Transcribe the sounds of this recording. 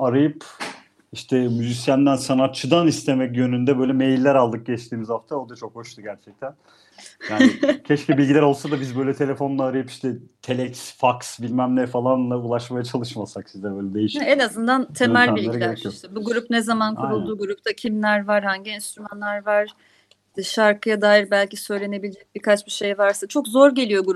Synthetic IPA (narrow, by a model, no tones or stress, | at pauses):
aɾajɯp | iʃt̪ʰɛmyzisjænd̪ænsanat̪̚t͡ʃʰːɯd̪anist̪ʰe̞mɛcjø̞nynd̪ɛbø̞jlʲɛme̞jilʲːæɾalˠd̪ɯk̚ɟɛt͡ʃt̪ʰiːmizaft̪ʰaod̪at͡ʃʰo̞kho̞ʃt̪ʰuɟæɾt͡ʃʰɛc̚t̪ʰæn | jaːicʰɛʃcibilʲɟilʲæɾo̞lˠsad̪abizbø̞jlʲɛt̪ʰe̞lʲe̞fo̞nlˠaːɾajɯpiʃt̪ʰɛt̪ʰelʲɛksfaksbilʲmæmlʲɛɾfalˠanlˠaulˠaʃmajat͡ʃʰalˠɯʃmasaksizd̪ɛbø̞ːjlʲɛd̪ejiʃenazɯnd̪ant̪ʰe̞mælʲilʲɡ̪aɾilʲeɾeijoʃt̪ʰɛbuɡuɾupnezamankʰuɾulˠd̪uːɡuɾup̚t̪ʰacʰimlʲæɾvaɾhaɲɟiɛnst̪ɾymanlʲæɾvaɾ̥ | ʃaɾkɯjad̪aːjiɾbælʲcisø̞jlʲe̞ne̞bilʲed͡ʒɛc̚bikʰat͡ʃbiʃe̞jvaɾsat͡ʃʰo̞kzo̞ɾɟe̞lʲijo̞ɡuɾup